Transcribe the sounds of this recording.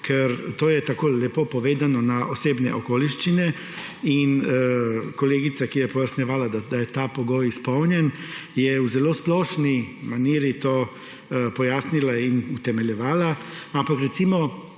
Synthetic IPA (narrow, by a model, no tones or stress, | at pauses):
kʰɛɾt̪oːjɛt̪akoːlɛpopɔʋeːd̪anɔnaʔoseːbnɛ̰ʔɔkoːliʃt͡ʃinɛ | in | kɔleːɡit̪sakijɛpɔjasnɛʋaːlad̪ad̪ajɛt̪apɔɡoːjispɔwnjɛnjɛuzɛloːsplɔːʃnimaniːɾit̪oː | pɔjaːsnilainut̪ɛmɛlʲjɛʋaːlaampakɾɛt̪simɔ